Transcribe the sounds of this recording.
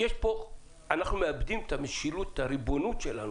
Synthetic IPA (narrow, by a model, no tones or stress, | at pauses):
jeʃpo̞ | anaχnumeabd̪imt̪ameʃilut̪ːaɾibo̞nut̪ʃelanu